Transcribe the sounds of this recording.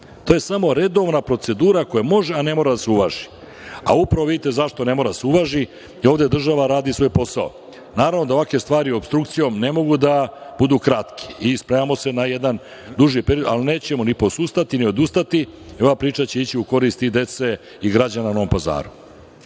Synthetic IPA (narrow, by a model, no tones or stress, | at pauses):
t̪o̞ːje̞samo̞ɾe̞d̪o̞ʋnapɾo̞t̪se̞d̪uːɾakojamo̞ʒe̞ane̞mo̞ːɾad̪aseuʋaːʒi̥ | a̰upɾaʋo̞ʋid̪it̪e̞zaʃt̪o̞ne̞moɾad̪aseuʋaːʒi | io̞ːʋd̪ed̪r̩ʒaʋaɾaːd̪isʋo̞jpo̞sao̰ | naːɾavnod̪ao̞ʋake̞st̪vaːɾiobst̪ɾuk̚t̪sijo̞mne̞mo̞ɡud̪ab̥ud̪uːkɾat̪kʰi̥ispɾemamo̞se̞najed̪an | d̪uʒipɾeɾiod̪a̰line̞ːt͡ɕe̞monipo̞sust̪at̪inio̞d̪ust̪at̪iio̞ʋapɾiːt͡ʂat͡ɕe̞it͡ɕiuko̞ɾist̪id̪e̞t̪se̞ | iɡɾad͡ʑanano̞ʋompaza̰ːɾu